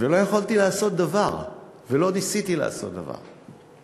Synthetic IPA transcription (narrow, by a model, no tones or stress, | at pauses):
velo̞jeχalt̪ilaːso̞t̪̚d̪avaʁ | velo̞nisit̪ilḛa̰so̞t̪̚d̪a̰va̰ʁ